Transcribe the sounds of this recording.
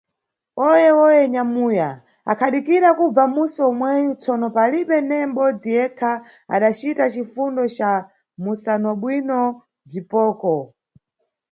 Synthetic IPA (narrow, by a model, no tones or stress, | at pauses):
ɔjɛwɔjɛɲamuja | a̰kʰaɗikiɾakub͡vamusɔmwɛjut͡sʰɔnɔpaliɓɛnɛm̩ɓɔd͡zijɛkʰa | a̰ɗat͡ʃitat͡ʃifundɔt͡ʃa | musanɔɓwinɔ | b͡ʐipɔːkɔ